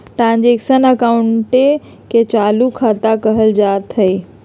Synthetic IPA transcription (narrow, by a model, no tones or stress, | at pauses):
ʈɾãːnd͡ʑekʃənəkaːʊɳʈe | ket͡ɕaːlukʰat̪akəɦəld͡ʒaːt̪ɦəi